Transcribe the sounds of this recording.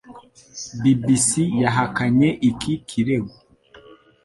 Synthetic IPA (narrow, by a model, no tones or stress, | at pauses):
bibisijaɦakaɲeʔikikʰiɾeɡu